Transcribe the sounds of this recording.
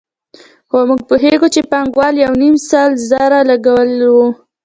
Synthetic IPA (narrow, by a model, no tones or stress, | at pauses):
xomuɡ̚puɦeɡot͡ʃepaŋɡwɑljawnimsɑlzaɾalaɡawəlwu